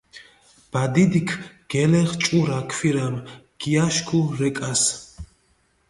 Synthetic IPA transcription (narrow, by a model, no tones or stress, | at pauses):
b̥ad̪id̪ikʰɡ̥ɛlɛχt͡ʃʼuɾakʰwiɾam | ɡ̥iaʃkʰuɾɛkʼas